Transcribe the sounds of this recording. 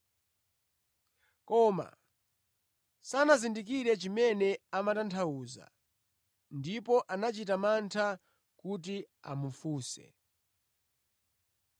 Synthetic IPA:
kɔːma̰ | sanazindik̬iɾɛt͡ʃimɛnɛamatantʰauːza̰ | ndipɔʔanat͡ʃitamantʰa | kut̬ia̰mufuːsɛ̰

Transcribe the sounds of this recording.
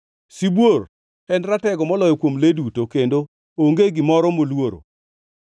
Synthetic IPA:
sibwor | ɛndɾatɛɡɔmɔlɔjɔkwomledutokendo | oŋɡeɡɪmɔɾɔmolwoɾo̰

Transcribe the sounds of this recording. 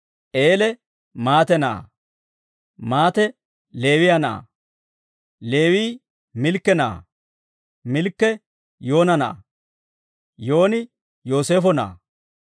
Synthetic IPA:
ʔe̞ːlɛ | maːt̪ɛna̰ː | maːt̪ɛ | le̞ːwɪjɐna̰ː | le̞ːwiː | mɪlkːɛna̰ː | mɪlkːɛ | jo̞ːnɐna̰ː | jo̞ːnɪ | joːse̞ːfɔna̰ː

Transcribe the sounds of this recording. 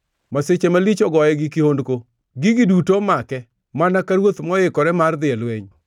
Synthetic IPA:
maset͡ʃemalit͡ʃɔɡɔjɛɡɪkihondko | ɡɪɡidutomakɛ | manakaɾwot̪mɔɪkɔɾɛmard̪ɪalweɲ

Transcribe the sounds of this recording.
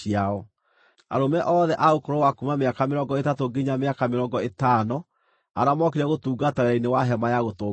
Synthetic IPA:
iaɔ | a̰ɾomɛʔɔðɛʔaokoɾowakumameakameɾɔŋɡɔetatoɡeɲameakameɾɔːŋɡɔetanɔ | a̰ɾamɔkeɾaɣotuːɡataɾɛɾainewaɦɛmajaɣoto

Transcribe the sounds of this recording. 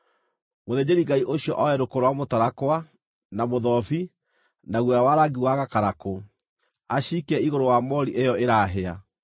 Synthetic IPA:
moðed͡ʑeɾiɡaiʔoɕjɔʔɔɛɾokoɾwamotaɾakwa | namoðɔfi | naɣwɛɾawaɾaɡiwaɣakaɾako | aɕikɛiɣoɾowamɔɾiʔejɔeɾaɦea

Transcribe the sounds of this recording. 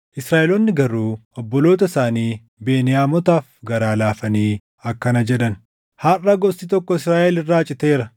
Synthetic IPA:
ʔɪsɾaːʔɛlɔnːɪɡɐɾuːɔbːɔlo̞ːt̪ɐsaːniː | be̞ːnɪjaːmɔt̪aːfɡɐɾaːlaːfɐniː | ɐkːɐnɐd͡ʒɛᶑɐn | haːrːɐɡɔsit̪ɔkːɔɪsɾaːʔɛlɪrːaːt͡ʃʼɪt̪e̞ːɾɐ

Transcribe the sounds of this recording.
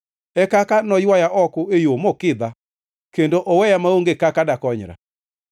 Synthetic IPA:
ɛkakanɔjwajaʔɔkʊejomokɪd̪a | kendoʔowɛjamaoŋɡekakadakɔɲɾa̰

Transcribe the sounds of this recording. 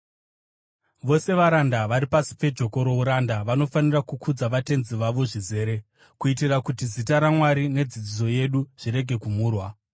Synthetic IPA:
ʋo̞se̞ʋaɾandaʋaɾipasi̥pe̞d͡ʒo̞ko̞ɾo̞uɾandaʋano̞fanirakukʰud͡zaʋate̞nziʋaʋo̞ʐize̞ːɾe̞ | kuitirakutizitaɾamwaɾine̞d͡zid͡zid͡zo̞je̞ɗuʐ̥ire̞ɡʱe̞kumuːrwa

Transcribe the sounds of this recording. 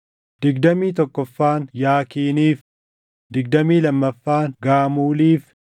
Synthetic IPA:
d̪̥ɪɡd̪ɐmiːt̪ɔkːɔfːaːnjaːkiːniːf | d̪ɪɡ̚d̪ɐmiːlɐmːɐfːaːŋɡaːmuːliːf

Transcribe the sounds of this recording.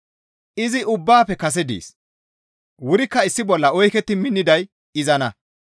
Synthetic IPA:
ʔɪzɪʔʊbːaːpːɛkɐs̬ɛd̪ḭːs | wʊɾɪkːɐɪsːɪbɔlːɐɔjkɛt̪ːɪmɪnːɪd̪ɐj | ɪzɐnɐ

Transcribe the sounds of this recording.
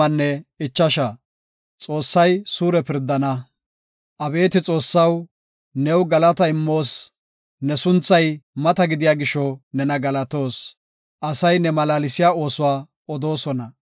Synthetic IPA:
ɐnːɛɪt͡ʃːɐʃɐ | t͡sʼo̞ːsːɐjsuːɾɛpɪɾd̪ːɐnɐ | ʔɐbe̞ːt̪ɪt͡sʼo̞ːsːɐw | nɛwɡɐlɐt̪ɐɪmːo̞ːs | nɛsʊnt͡sːɐjmɐt̪ɐɡɪd̪ɪjaːɡɪʃːɔnɛnɐɡɐlɐt̪o̞ːs | ʔɐsɐjnɛmɐlaːlɪsɪjaːo̞ːsʊwaː | ɔd̪o̞ːsɔnɐ

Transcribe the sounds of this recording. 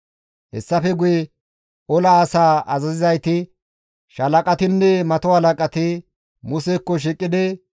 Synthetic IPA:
hɛ̰sːɐfɛɡʊjɛ | ɔlɐːsaːɐzɐzɪzɐjt̪ɪ | ʃɐlɐkʼɐt̪ɪnːɛmɐt̪ɔhɐlɐkʼɐt̪ɪ | mʊsɛkːɔʃ̬ikʼːɪd̪ɛ

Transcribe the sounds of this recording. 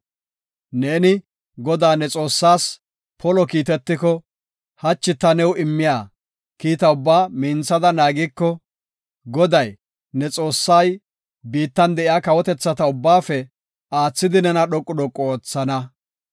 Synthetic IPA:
neːnɪ | ɡɔd̪aːnɛt͡sʼo̞ːsːaːs | pɔlɔkiːt̪ɛt̪ːɪkɔ | hɐt͡ʃːɪt̪ːɐnɛwɪmːɪjaː | kiːt̪ɐʊbːaːmiːnt͡sːɐd̪ɐnaːɡɪkːɔ | ɡɔd̪ɐj | nɛt͡sʼo̞ːsːaj | biːt̪ːɐnd̪ɛʔɪjaːkɐwɔt̪ɛt͡sːɐt̪ɐʊbːaːfɛ | aːt͡sːɪd̪ɪnɛnɐɗɔkʼːʊɗɔkʼːɔːt͡sːɐnɐ

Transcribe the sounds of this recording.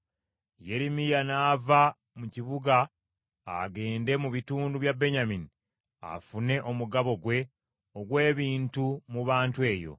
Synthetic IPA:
je̞ɾimijanaːva | muciβuɡa̰ː | ɡe̞ːnde̞muβituːnduβjabːe̞ɲamini | a̰fune̞ʔo̞muɡaβo̞ɡwe̞ | oɡwe̞ːβiːntumuβaːntue̞ːjo̞̰

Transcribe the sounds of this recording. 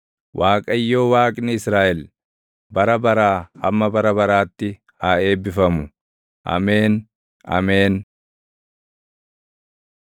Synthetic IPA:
waːkʼɐjːo̞ːwaːkʼnɪɪsɾaːʔɛl | bɐɾɐbɐɾaːhɐmːɐbɐɾɐbɐɾaːt̪ːɪ | hae̞ːbːɪfɐmʊ | ʔɐ̰meːn | ɐ̰meːn

